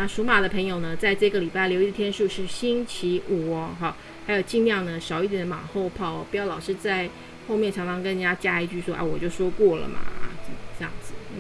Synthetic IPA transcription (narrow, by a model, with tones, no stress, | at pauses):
na˥˩ʂu˧˥ma˨˩d̪ə˦pʰə˧˥ŋjo˨˩ʊnə˦t͡sa˥˧ɪʈ͡ʂɤ˥˩˧ɡə˩li˨˩pa˥˩ɪljo˧˥ʊi˧ə˧t̪ʰjɛ˥nʂu˥˧ʂɻ̩˥˩ɕi˥nt͡ɕʰi˧˥ʔu˨˩ɔ˦ɦa˥˩ | xa˧˥ɪjo˨˩ʊt͡ɕi˥˧ŋljɑ˥˩ŋnə˩ʂɑ˨˩ʊi˥˩t̪jɛ˨˦nma̰˨˩xo˥˧ʊpʰɑ˥˩ʊ˨˩pjɑ˥˩ʊlɑ˨˩ʊʂɻ̩˥˧t͡sa˥˧ɪ | xo˥˧mjɛ˥˩nʈ͡ʂʰɑ˧˥ŋʈ͡ʂʰɑ˧˥ŋkə˥n˨˩t͡ɕja˥t͡ɕja˥˧i˥t͡ɕy˥˩swɔ˥ʔa̰˧˩wɔ˨˩t͡ɕjo˥˩ʊʂwɔ˥kwɔ˥˩lə̰˩mʔɐ̰˩˥˧ʈ͡ʂɤ˥˧jɑ̰˥˩ŋd͡zɹ̩˩˥˩